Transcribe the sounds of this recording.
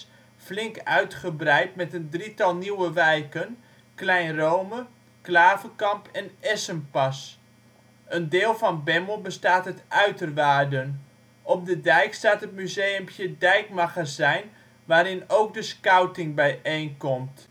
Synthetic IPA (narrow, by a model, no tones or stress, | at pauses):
flɪŋkœɥtχəbrɛjt̚mɛtəndritɑlˠniwəʋɛjkən | klɛjnrowmə | klaːvəkɑmpʰɛnɛsənpɑs | əndɪːlˠvɑnbɛməlˠbəstaːtɦətʔœɥtərʋaːrdən | ɔp̚dədɛjkstaːtɦətmyzejəmpjədɛjkmaɣazɛjn | ʋaːɾɪnowk̚dəskawtɪŋbɛjʔejnkɔmt